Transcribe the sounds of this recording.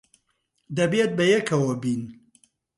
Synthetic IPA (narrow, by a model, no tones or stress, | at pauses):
d̪ɐbet̪̚bɐjɛkʰɐwɐbiːn